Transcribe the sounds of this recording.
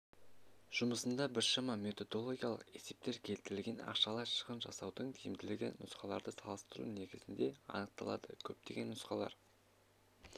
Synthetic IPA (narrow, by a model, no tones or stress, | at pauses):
ʒ̥ʊməsənd̪ɑbɪɾʃɑmɑme̞t̪o̞d̪o̞lˠo̞ɡʲijɑlˠəqe̞se̞p̚t̪e̞ɾkʲʰe̞lt̪ɪɾɪlɡʲe̞nɑ̰qʃɑlˠɑʃə̥ʁənʒɑsɑwd̪əɴt̪ʰijɪmd̪ɪlɪɡʲenːʊsqɑlˠɑ̰ɾd̪əsɑlˠəst̪əɾṵne̞ɡʲɪzɪnd̪e̞ɑ̰nəq̚t̪ɑlˠɑ̰d̪əkʲʰɵp̚t̪e̞ɡʲe̞nːʊsqɑlˠɑ̰ɾ